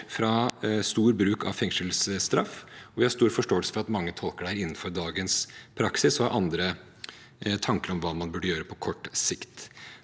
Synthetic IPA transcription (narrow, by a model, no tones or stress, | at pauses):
fɾɑst̪uːɾbɾʉːkʰɑ̰ʋfɛŋʂəlsst̪ɾɑ̰fːɔʋɪhɑɾʂst̪uːɾfɔʂʈoːɛlsə̥fɔɾɑt̪mɑŋːət̪ʰɔlˠkəɖæːɾɪnːn̩fɔɾd̪ɑːɡənspʰɾɑksɪsɔɑʔɑnd̪ɾə | t̪ʰɑŋkəɾɔmʋɑːmɑnbʉɖəjøːɾəpʰɔkʰɔʈːsɪkt̪